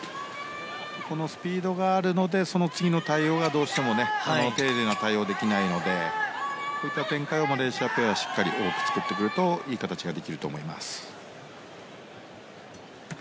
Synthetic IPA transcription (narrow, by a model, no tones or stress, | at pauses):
ko̞no̞sɨ̥pʲiːd̪o̞ɡaːɾɯ̟no̞d̪e̞so̞no̞t͡sɨɡʲino̞t̪aio̞ːɡad̪o̞ːɕi̥t̪e̞mo̞ne̞sonot̪e̞ːd̪enot̪aio̞ːd̪e̞kʲinaino̞d̪e̞ | ko̞ːit̪ːat̪ẽ̞ŋkaio̞maɾe̞ːɕiape̞βaɕi̥kːaɾʲiʔoːkɯ̥t͡sɨ̥kɯ̟t̪ːe̞kɯ̟ɾɯ̟t̪o̞iːkat̪at͡ɕiɡad̪e̞kʲiɾɯ̟t̪o̞̰ːmo̞ima̰sɨ̥